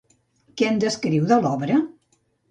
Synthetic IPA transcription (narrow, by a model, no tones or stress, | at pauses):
kɛnd̪əskɾiwðəlɔβɾə